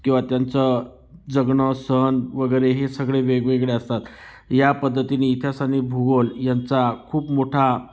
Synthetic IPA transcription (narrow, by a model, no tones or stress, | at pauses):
kĩw̃ʋat̪jant͡sə | d͡zəɡɳəsənʋəɡəjɾeɦesəɡɭeʋeɡʋeɡɭeəst̪at̪ | japəd̪ʱːət̪ineːt̪ʰjasanibʱuɡəljant͡sakʰuːpmoʈʰa